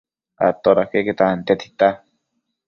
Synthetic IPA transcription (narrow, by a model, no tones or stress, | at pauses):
a̰t̪oɾakeket̪aant̪et̪ʰi̥t̪a